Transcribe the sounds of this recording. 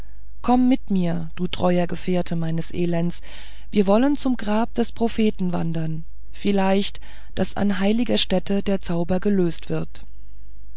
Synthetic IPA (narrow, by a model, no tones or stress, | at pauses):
kʰɔmːɪtmiːɐd̥uːtʁ̥ɔʏɐɡəfeːɐtʰəmaɪnəsʔeːlɛns | v̥iːɐvɔlənt͡sʊmɡʁaːp̚d̥ɛspʁ̥ofeːtn̩va̰ndɐn | fɪlaɪçt | d̥a̰sa̰nɦaɪlɪɡɐʃtɛtədeːɐt͡saʊbɐɡəløːstv̥ɪɐt